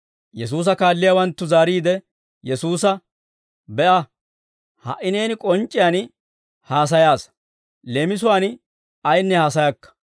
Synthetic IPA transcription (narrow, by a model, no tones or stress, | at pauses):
jɛs̬uːs̬ɐkaːlːɪjawɐnt̪ːʊzaːɾiːd̪ɛ | jɛsuːs̬ɐ | bɛʔɐ | hɐ̰ʔɪne̞ːnɪkʼɔnt͡ʃʼːɪjaːn | haːs̬ɐjaːs | lemɪs̬ʊwaːn | ɐjnːɛhaːs̬ɐjɐkːɐ̥